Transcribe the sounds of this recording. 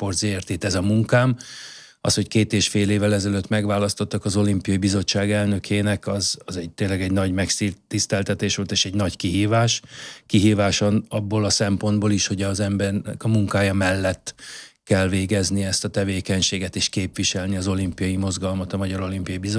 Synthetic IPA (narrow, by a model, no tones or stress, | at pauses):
port̪zeɛrt̪eːt̪ɛzɒmuŋkaːm | ɒsho̞ckeːt̪eːʃfeːleːvːɛlɛzɛløt̪mɛɡvaːlɒst̪o̞t̪ːɒkɒzo̞limpijɒjibizo̞t͡ʃːaːɡɛlnø̞kʰeːnɛkɒzɒzɛɟ̚t̪eːnlːɛɡɛɟnɒɟmɛksit̪ːist̪ɛlt̪ɛt̪eːʃʋolt̪eːʃɛɟnɒɟkiɦiːvaːʃkiɦiːvaːʃonɒbːolɒsɛmpo̞nd̪boːliʃho̞ɟɒzɛmbɛrnɛkɒmuŋkaːjɒmɛlːɛt̪ːkɛlveːɡɛzniɛst̪ɒt̪ɛveːkɛɲʃeːɡɛt̪eːʃkeːpʋiʃɛlniɒzo̞limpijɒjimo̞zɡɒlmɒt̪ɒmɒɟɒɾo̞limpijɒibizo